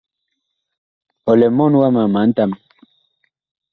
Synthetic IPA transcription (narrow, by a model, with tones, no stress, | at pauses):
ɔ˨lɛ˨mɔ˦nwa˦ma˨ma˨˦n̩˦ta˦m